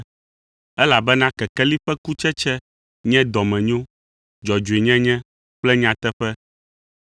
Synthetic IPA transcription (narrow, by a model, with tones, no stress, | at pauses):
ɛ˦la˨bɛ˦nã˦kɛ˨kɛ˦li˦ɸɛ˦ku˦t͡ʃɛ˦t͡ʃɛ˦ | ɲɛ̃˦d̪ɔ˨mɛ̃˨ɲ˦õ˦ | d͡ʒɔ˨d͡ʒu˨e˨ɲɛ̃˦ɲɛ̃˦ | k͡plɛ˦ɲ˦ã˨t̪ɛ˦ɸɛ˦